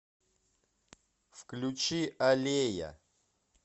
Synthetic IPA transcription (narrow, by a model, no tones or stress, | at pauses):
fklʲut͡ɕiʔɐlʲejɐ̰